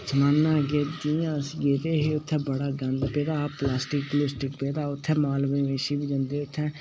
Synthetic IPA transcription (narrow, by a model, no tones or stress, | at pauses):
səmãːnːaːɡeːd̪ijãːsɡeːt̪eːɦeːʊt̪ʰːɛ̃ːbəɽaːɡə̃nd̪peːd̪aːplaːsʈɪk̚plɪsʈɪkpeːd̪aːʊt̪ʰːɛ̃ːmaːlʋɪʋeːʃiːbid͡ʒə̃nd̪eːʊt̪ʰːɛ̃ː